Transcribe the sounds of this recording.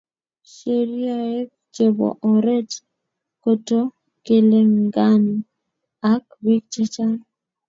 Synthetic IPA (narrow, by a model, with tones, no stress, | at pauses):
ʃe˨ɾi˦a˦˨je˦k̚ | t͡ʃe˨bo̰˨ʔo˨ɾe˦t͡ʃ | ko˦to˦ | ke˦le˦ŋɡa˦n˨ | a˦k̚bi˦k̚t͡ʃe˦t͡ʃa˦l